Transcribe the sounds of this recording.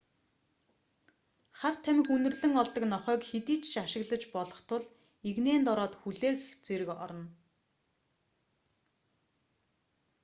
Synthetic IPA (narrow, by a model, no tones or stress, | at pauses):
χar̥t̪ʰæmʲɪ̆kunɵ̆rɮɵ̆ŋɔɮt̪ə̆knɔχœːkxet̪iːt͡ɕʃaʃɪ̆ɣɮə̆t͡ɕpɔɮɞ̆χt̪ʰʊɮ | eɣneːnt̪ɔɾɔːt̪xuɮeːxt͡seɾɘ̆kɔ̰ɾɞ̆n